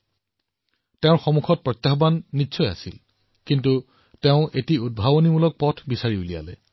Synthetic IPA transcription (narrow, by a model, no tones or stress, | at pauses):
teʊ̃ɹxɔmukʰɔt̚pɹɔt̪jaxɔbanːitːsʰɔja̰sil | kintu | teʊ̃ʔetiud̚bʱabonimulɔk̚pɔtʰbisaɹiulija̰lɛ̰